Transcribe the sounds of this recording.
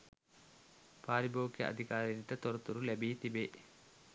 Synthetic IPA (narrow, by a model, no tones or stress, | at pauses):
paːɾibʱoːʋukːjɐ̰ʔɐ̰d̪ʱikaːɾɐniʈːɐt̪ɔɾɐt̪uɾulebijt̪ibe